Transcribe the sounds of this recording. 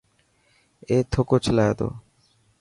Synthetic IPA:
et̪ʰokot͡ɕʰlaet̪o̰

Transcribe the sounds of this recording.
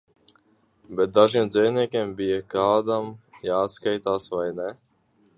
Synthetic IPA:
bɛt̪̚d̪aʒiɛmd̪zɛjnʲiɛkʲiɛmbijakaːd̪amjaːt̪skajt̪aːsvajnɛ

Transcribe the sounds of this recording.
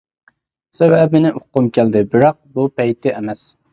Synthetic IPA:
sɛwɛbɪnɪʔʊqːʊmkʲʰæld̪ɪbɪɾɑq̚bupɛjt̪ʰɪʔɛmɛs

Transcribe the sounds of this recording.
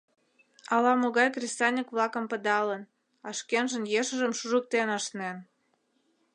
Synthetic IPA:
ɑlɑmoɣɑjkrʲist̪ɑnʲikβlɑkə̆mpəd̪ɑlən | ɑʃkenʒə̆njeʃəʒəmʃuʒuk̚t̪enɑʃnen

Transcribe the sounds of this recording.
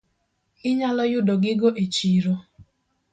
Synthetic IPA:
ɪɲalɔjʊdɔɡɪɡoʔet͡ʃiɾo

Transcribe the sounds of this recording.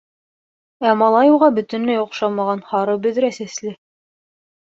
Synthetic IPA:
æmɑlˠɑjuʁɑbɵ̆t̪ɵ̆nlæjŏqʃɑmɑʁɑnhɑɾɤbɵ̆ðɾæsæ̆slɘ

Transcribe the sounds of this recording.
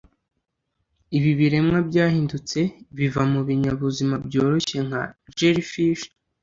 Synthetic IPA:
iβiβiɾe̞mŋabɟaːhiːndut͡se̞βivamuβiɲaβuzimabjo̞ːɾo̞çe̞ŋ̥ha̰d͡ʒeɾifiʃ

